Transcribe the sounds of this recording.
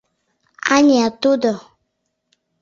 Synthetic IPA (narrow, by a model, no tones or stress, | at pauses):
a̰ɲiat̪odɔ